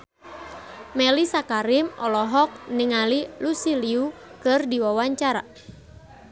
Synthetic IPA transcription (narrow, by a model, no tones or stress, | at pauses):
mɛlisakaɾɪmɔlɔɦɔk̚niŋalilusiliukɨrdiwawaɲt͡ʃaɾa̰